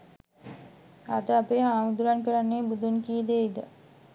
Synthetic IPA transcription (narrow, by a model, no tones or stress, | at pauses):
ad̪əapeːɦaːmud̪uɾankəɾanːeːbud̪unkid̪eid̪ə̰